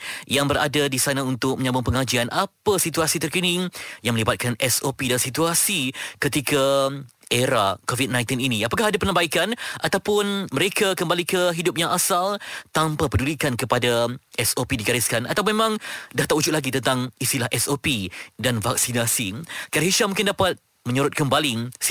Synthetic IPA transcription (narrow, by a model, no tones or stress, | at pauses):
jaŋbəɾa̰dadisanaunt̪ʊk̚məɲãmbʊnpəŋad͡ʒianʔapasit̪uasit̪ərkənɪŋjaŋməlibat̪̚kanɛsopidansit̪uasikət̪ika | ʔeɾakovit̪̚nãj̃t̪ininĩapakaɦadapənabaikanʔat̪awpʊnməɾekakəmbalikəɦidʊp̚jãŋasalt̪ampapədulikankəpadaʔɛsopidiɡaɾɪskana̰t̪awmẽmãŋdaht̪aʔud͡ʒʊtʔ̚laɡit̪ənt̪aŋist̪ilahʔɛsopidanvak̚sinasikaɾɦiʃamũŋkɪndapat̪̚ | mə̃ɲuɾʊt̪̚kəmbalis